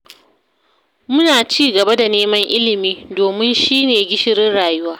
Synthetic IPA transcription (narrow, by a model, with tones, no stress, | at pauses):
mʊ˦naː˨t͡ʃiː˦ɡɐ˨ba˦da˨neː˦mɐ˦ŋʔɪ˦lɪ˨miː˦doː˨mɪ˦nʃiː˦neː˨ɡʲɪ˦ʃɪ˦ɾɪ˦nɽaː˨jʊ˦waː˦